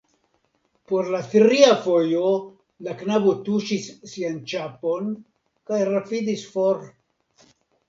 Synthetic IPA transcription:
po̞ɾlaθɾiafo̞jo | laknabo̞tuʃisːiant͡ʃapo̞n | kajɾapidisfoɾ

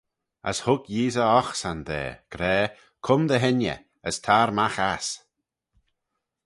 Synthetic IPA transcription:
ə̰shʊɡjiːzəɔxsand̪ɛ̰ːɡ̥ɾɛː | kʰʊmd̪əɦɪnjə̰ | əst̪ʰaːɾmaxas

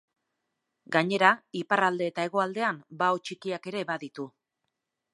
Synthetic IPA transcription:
ɡaɲe̞ɾaiparald̪e̞ːt̪ae̞ɣ̞o̞ald̪e̞ambaot͡ʃikiake̞ɾe̞βaðit̪u

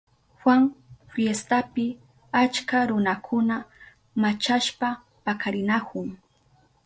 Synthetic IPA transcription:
hwaŋfjest̪apɪ | at͡ʃkaɾʊnakʰʊna | mat͡ʃaʃpa | pakaɾɪnakʰʊŋ

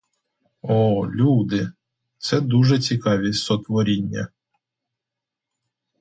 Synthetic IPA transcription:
ɔlʲud̪ɪ | t̪sɛd̪uʒɛt͡sʲikɑʋʲisɔt̪ʋɔɾʲinʲːɐ̰

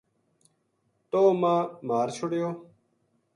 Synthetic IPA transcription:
t̪oːmãːmaːɾt͡ʃʰʊɽjoː

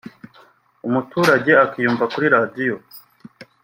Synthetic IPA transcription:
umutuːɾaɟe̞akijuːmvakuɾiɾadijo̞

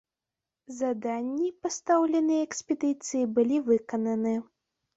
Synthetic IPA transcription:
zad̪anʲːipast̪awlʲɛnɨjɐɛkspʲɛd̪ɨt̪sɨjibɨlʲivɨkɐnɐnɨ

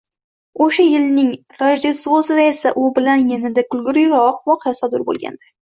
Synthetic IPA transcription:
oʃajɪlnɪŋ | ɾaʒd̪esosɪd̪aesaʔʊbɪlanjenɪd̪akʰʲʊlɡʲʊɾɪjɾɒqvɒqʰejasɒd̪ʊɾbo̰lˠɡʲa̰nd̪a

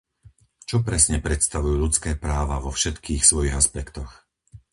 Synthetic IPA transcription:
t͡ʃɔpɾɛsɲɛpɾɛt̪st̪aʋujuːʎutt͡skɛːpɾaːʋaʋɔfʃɛt̪kʰiːxsʋɔjiɣaspɛkt̪ɔx

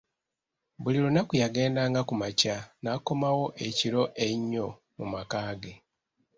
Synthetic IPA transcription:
bulilunakujaɡe̞ːndaːŋɡakumacanako̞mawo̞ʔe̞ciɾo̞ʔe̞ɲːo̞ | mumakaːɡe̞

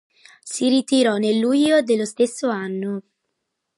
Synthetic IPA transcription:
siɾit̪iɾɔnelːuʎːod̪elːost̪esːoanːo

